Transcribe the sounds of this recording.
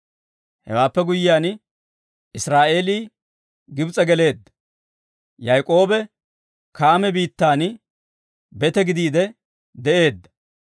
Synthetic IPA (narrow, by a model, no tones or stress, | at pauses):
hɛ̰waːpːɛɡʊjːɪaːn | ɪsɾaːʔe̞ːliː | ɡɪbt͡sʼɛɡɛle̞ːd̪ːɐ̥ | jɐjkʼo̞ːbɛ | kaːmɛbiːt̪ːaːn | bɛt̪ɛɡɪd̪iːd̪ɛ | d̪ɛʔe̞ːd̪ːɐ̥